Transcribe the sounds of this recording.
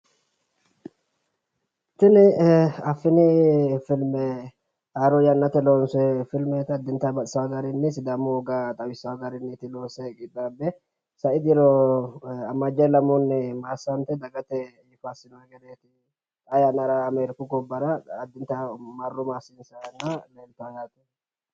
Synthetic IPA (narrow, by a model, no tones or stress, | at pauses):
t̪ːɪnɪɐfːɪnɪfɪlmɛ | aːɾɔjɐnːɐt̪ɛloːnsɛfɪlmɛt̪ɪɐd̪ːɪnt̪ːɐbɐt̪ʼsɐwaɡɐɾɪnːɪsɪd̪ɐmʊɔɡat̪ʼɐwɪsːɐwɐɡɐɾɪnːɪt̪ɪloːsɛkʼɪᶑ̪aːbːɛ | sɐɪd̪ɪɾɔ | ɐmːɐd͡ʒɐlɐmɔnːɪmaːsːɐnt̪ɛd̪ɐɡɐt̪ɛjɪfɐsɪnɔɛɡɛd̪eːt̪ɪ | ɐjanɐɾaːmeɾɪkʊɡɔbːɐɾɐːd̪ːɪnt̪ːɐmɐrːʊmaːsiːnsɐjɐnːɐleːnt̪ːɐwjaːt̪ɛ